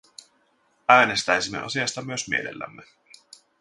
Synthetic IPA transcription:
æːne̞st̪æjsimːe̞ʔo̰siɑst̪ɑmyøsmḭe̞lḛlːæ̰mːe

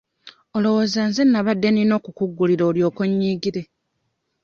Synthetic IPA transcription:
o̞lo̞wo̞ːzaːnzenːaβadːe̞nino̞ːkukuɡːuliɾoːljo̞ːko̞ɲːiːɡiɾe̞

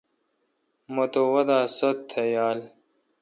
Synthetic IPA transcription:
mɐt̪owɐd̪aːsɐt̪ʰːejaːl

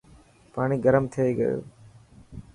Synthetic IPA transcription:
paːɽ̃iɡɐɾɐmt̪ʰɐeɡɐ̰jṵ

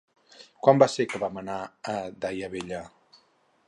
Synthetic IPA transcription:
kwambasekəβamənaəd̪ajəβeʎa

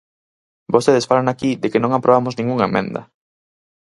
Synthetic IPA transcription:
bost̪eðesfalanakiðekɪnõŋapɾʔoβamoznĩŋɡuŋemɛ̰̃nd̪ɐ̰

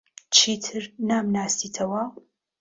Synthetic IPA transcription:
t͡ʃʰiːt̪ʰɨɾnaːmnaːst̪iːt̪ʰɐwɐ

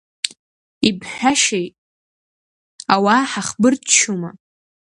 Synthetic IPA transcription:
ibħʷᶣaʃejtʼ | awaħaχbɨrtt͡ʃʰuma

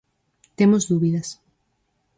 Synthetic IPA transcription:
t̪emozðuβiðɐs

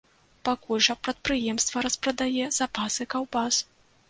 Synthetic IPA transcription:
pakulʲʐɐpɾɐt̪̚pɾɨjɛmst̪vɐɾɐspɾɐd̪ajɛz̥apasɨkawbas

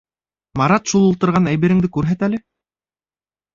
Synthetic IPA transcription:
mɑɾɑt̪ʃulˠulˠt̪ɤ̆ɾʁɑnæjβɘ̆ɾɘ̆ŋd̪ɘkʉɾɦæt̪ælɘ

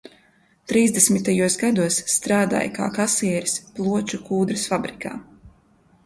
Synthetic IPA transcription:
t̪ɾiːzd̪esmit̪ajuɔsɡad̪uɔsːt̪ɾaːd̪a̰ːjka̰ːkasiɛɾisplˠuɔt͡ʃukuːd̪ɾɨsfabɾikʰa̰ː

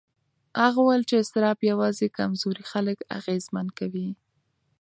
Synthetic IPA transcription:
haɣuwajəlt͡ʃeɪst̪ɪɾɑpjawɑzekamzoɾixaləka̰ɣezmankawi

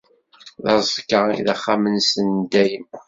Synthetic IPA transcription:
ðɑzˤkəḭðæχːamənsənd̪æjəm

